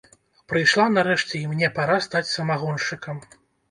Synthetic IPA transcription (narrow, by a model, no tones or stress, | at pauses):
pɾɨjʂlˠanɐɾɛʂt͡sʲɛimnʲɛpaɾast̪at͡sʲsɐmaɣɔnʂɨkɐm